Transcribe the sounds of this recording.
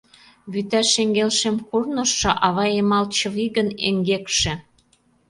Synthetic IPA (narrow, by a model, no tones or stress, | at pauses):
βyt̪æʃeŋɡelʃemkurnɤ̆ʃːɤ̆ʔɑβɑemɑlt͡ɕɤ̆βiɣənḛŋɡekʃĕ